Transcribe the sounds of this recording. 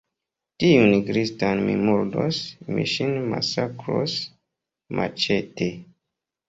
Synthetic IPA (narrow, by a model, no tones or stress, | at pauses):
tiuniɡɾistanmimuɾdo̰smḭʃinma̰sakɾo̰s | mʔa̰t͡ʃete